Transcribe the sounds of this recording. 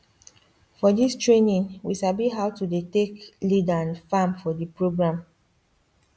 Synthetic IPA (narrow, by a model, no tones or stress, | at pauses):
fɔdistɹenĩnwiʃabiɦawtudeteklidãnfãmfɔdipɹoɡɹãm